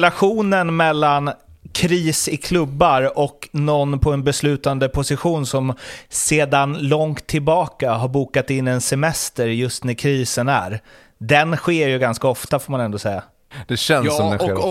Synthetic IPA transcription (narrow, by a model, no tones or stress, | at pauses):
laɧuːnənmɛlːankʰɾiːsɪkʰlɵbːaɾɔknɔnːpʰɔɛnbɛslʉ̟ːt̪and̪əpʰʊsɪɧuːnsɔmseːd̪anlɔŋt̪ʰːɪlbɑːkaɦaɾbuːkat̪ɪnːɛnsɛmɛst̪əɾjɵst̪næɾkʰɾiːsənæ̰ɾ | d̪ɛnɧeːɾjɵɡanskaɔft̪afoːmanɛnd̪oːsɛjːa | d̪̥ɛɕɛnsɔmd̪ɛ